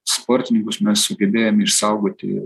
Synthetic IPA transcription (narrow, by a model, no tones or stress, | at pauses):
spɔːɾʲt̪ʲɪnʲɪŋkʊsmʲɛssʊɡʲɛbʲeːjomʲɪʃsɑʊɡoːt̪ʲɪ̰